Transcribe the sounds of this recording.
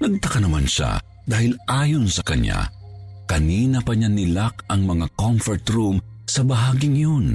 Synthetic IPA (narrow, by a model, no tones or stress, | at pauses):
nɐɡ̚t̪ɐkɐnɐmanʃa̰ | d̪aːhɪlʔaːjonsɐkɐɲːa̰ | kɐniːnɐpɐɲanɪlakɐŋmɐŋakomfɛɹt̪ɾum | sɐbɐɦaːɡɪŋjon